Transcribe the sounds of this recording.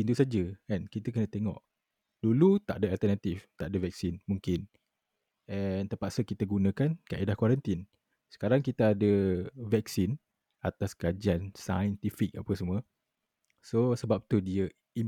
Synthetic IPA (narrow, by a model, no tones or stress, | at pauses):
int̪usad͡ʒəɛnkit̪əkənə̃t̪eŋɔ̰ʔ | dulut̪a̰ʔdəalt̪ənat̪ift̪aʔdəvɛk̚sinmuŋkɪn | ɛnt̪əpaʔsəkit̪əɡunə̃kankaʔidahkwaɾant̪in | sə̥kaɾaŋkit̪aadəvɛksin | at̪askad͡ʒiansa̰jənt̪ifik̚a̰pəsəmuə | sosəbap̚t̪udiə | i